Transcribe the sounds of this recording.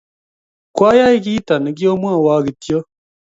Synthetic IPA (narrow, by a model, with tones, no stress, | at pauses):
kwaː˦ja˦i˦kiː˦ta˨nɛ˨˦ɡjo˦mwa˦˨wa˦ɡi˨tjo˦